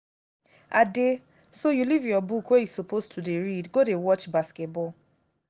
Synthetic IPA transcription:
ade | sojulivjɔbukwejusopostʰudeɹidɡodewɔt͡ʃbaskɛt̚bɔl

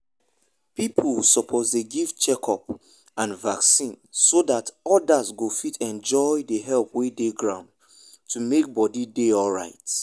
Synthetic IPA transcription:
pipʰlsɔpʰɔtdeɡivt͡ʃɛkʰɔp | ãnvaksĩnsodatɔdazɡofitʰɛ̃nd͡ʒɔɪdəɦɛlpwedeɡɹãʊ̃nd̚ | tʰumek̚bɔdideɔlɹaɪt

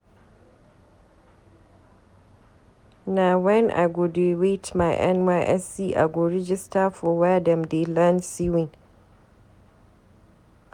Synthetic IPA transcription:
nawɛnʔa̰ɡodewetmajʔɛ̰nwaʔɛsiʔa̰ɡoɾɪd͡ʒɪstafɔwadɛmdelansiwɪn

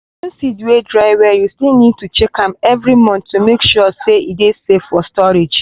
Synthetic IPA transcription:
wɔ̃nsiduedɹaɪwɛjustilˠnid̚tut͡ʃɛkʰãmɛvɾimɔ̃ntːumekʃɔseʔidesefɔstɔɾed͡ʒ

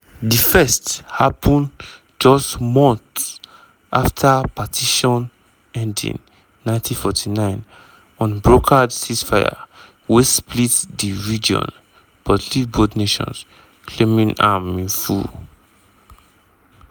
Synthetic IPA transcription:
difɛsthapʰɔ̃n | d͡ʒɔstmɔ̃nθs | ʔaftʰapatʰiʃɔ̃n | ɛ̃ndḭ̃nː | ãɪ̃ntʰĩfɔtinãɪ̃n | ɔ̃nbɹokʰadsisfaja̰ | wesplitdiɹid͡ʒiɔ̰̃n | pɔzitivbodneʃɔ̰̃ns | kʰlemĩnãmĩnfṵ

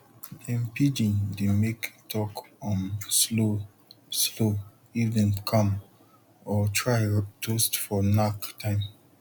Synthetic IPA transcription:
ɛ̃mpid͡ʒĩndemektʰɔkɔ̃nslo | slo | ivdɛ̃nkʰãm | ɔtʰɹaɪtʰostfɔnaktʰãɪ̃m

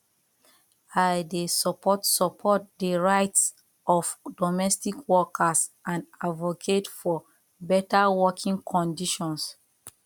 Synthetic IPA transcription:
ajdesɔpʰɔtsɔpʰɔt̚dəɹaɪts | ɔfdɔmɛstikʰwɔkʰasʔãnadvokʰetfɔ | bɛtawɔkʰĩŋkʰɔ̃ndiʃɔ̃ns

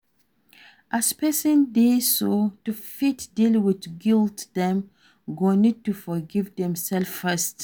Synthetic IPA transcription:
ʔaspɛsə̃ndesotufitdilwɪdɡiltdɛ̃m | ɡonid̚tufɔɡivdɛ̃msɛlfːɛst

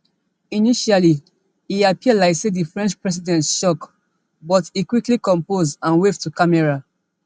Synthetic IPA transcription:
iniʃali | iapiəlaɪksedifɹɛ̃nt͡ʃpɹɛs̬idɛ̃ntʃɔk | bɔtikwiklikɔ̃mpozãnwevtukamɛɹa

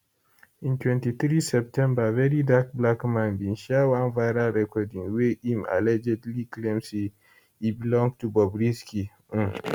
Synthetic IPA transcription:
ʔĩntwɛ̃ntit̪ɾisɛp̚tʰɛ̃mbavɛɾidak̚blakmãnbinʃawanvaɾaɾɛkɔdĩŋweʔima̰lɛd͡ʒɛdliklɛmsi | ibilɔ̃ŋɡ̚tubɔbɾiski

